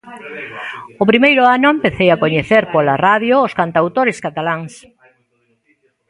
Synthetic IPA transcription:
ʊpɾimejɾʊanʊempeθejakoɲeθeɾpolaraðjoːskant̪awt̪oɾɪskat̪alaŋs

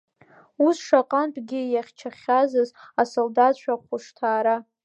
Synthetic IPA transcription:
usʂaqʼanpʰʼɡʲɪjaχʲt͡ʃʰaχʲazɨzasoldatt͡ʃʷʰᶣaqʷʰʊʂtʰaːɾa

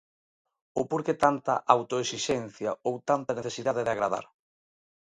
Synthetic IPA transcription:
owpoɾket̪ant̪ɐ̰ʔawt̪oesiʃɛn̟θjɐowt̪ant̪ɐneθesiðaðeðɪaɣɾaða̰ɾ

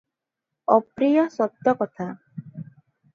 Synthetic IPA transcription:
ɔpɾijɔsɔt̪ːɔkɔt̪ʰa

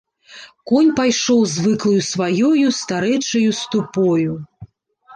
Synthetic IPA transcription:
kɔnʲpajʂɔwzvɨklˠɐjusvajɔjust̪aɾɛt͡ʂɐjust̪upɔju

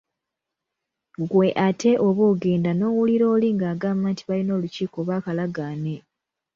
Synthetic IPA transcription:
ɡwe̞ʔatʰe̞ʔo̞βoːɡe̞ːndano̞ːwuliɾo̞ːliŋɡaːɡaːmaːntiβalino̞ːluciːko̞βaːkalaɡaːne̞

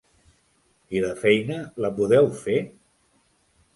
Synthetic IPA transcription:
iðəfɛjnələpuðɛwfe

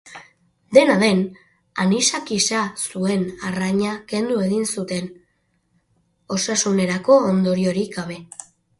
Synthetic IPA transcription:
d̪e̞naðe̞n | anisakisasue̞naraɲake̞nd̪ue̞ɣinsut̪e̞n | o̞sasune̞ɾako̞ːnd̪o̞ɾio̞ɾiɣaβ̞e̞

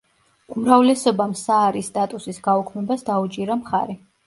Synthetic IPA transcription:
umɾavlɛsɔbamsaːɾist̪ʼat̪ʼusisɡaukʰmɛbasd̪aut͡ʃʼiɾamχa̰ɾi

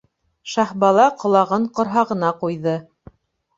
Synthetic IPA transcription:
ʃɑhbɑlˠɑqŏlˠɑʁɤɴqŏɾɦɑʁɤ̆nɑqujðɤ

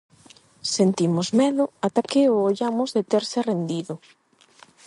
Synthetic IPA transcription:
sent̪imʊzmɛðʊat̪akeoːʎamʊzðet̪eɾsɪrend̪iðʊ

